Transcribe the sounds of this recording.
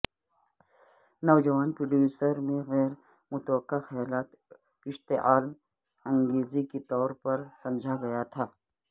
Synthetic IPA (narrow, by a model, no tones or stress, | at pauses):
nɐwd͡ʒɐʋaːnpɾəɖjuːsəɾmẽɣɛːɾ | mʊt̪wəqːaxɐjaːlaːt̪ | kɪʃt̪eʔaːlm | ɐ̃ŋɡeːziket̪ɔːɾpɐɾsɐmd͡ʒʱaɡɐjat̪ʰaː